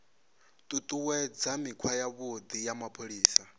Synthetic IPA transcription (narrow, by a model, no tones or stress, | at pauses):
t̪ʼut̪ʼuwɛd͡zamikʰwajaβod̪ijamapʰoɺiːsa